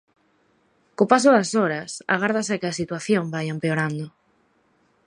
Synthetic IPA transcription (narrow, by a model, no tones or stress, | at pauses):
kopasoðɐsoɾɐsa̰ɣ̞aɾð̞asekɪasit̪waθjombajempeoɾand̪ʊ